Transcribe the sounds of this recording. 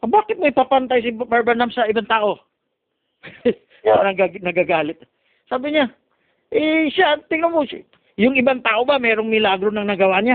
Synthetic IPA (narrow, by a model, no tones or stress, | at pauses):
baːkɪt̪̚mɐɪpaːpɐnt̪ajs̬ɪbaɹbɐnamsɐʔɪbaŋt̪aːʔo̞ | nɐɡanɐɡaɡaːlɪt̪̚ | saːbɪɲa | ʔɛʃat̪ɪŋnomo | jʊŋɪbaŋt̪aːʔo̞bamɛːɾoŋmɪlaːɡɾo̞nɐŋnɐɡɐwaːɲa